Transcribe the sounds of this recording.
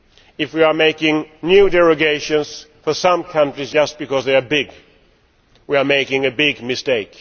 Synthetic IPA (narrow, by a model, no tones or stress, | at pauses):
ɨfwiə˞meɪkɪ̃ŋnjʉdɛɹɨɡeɪʃɨ̃nsfə˞sʌ̃mkʰʌ̃ntɹizd͡ʒʌst̚b̥ɨkʌzðeɪə˞bɪɡ | wiə˞meɪkɪ̃ŋɨbɪɡmɨsteɪk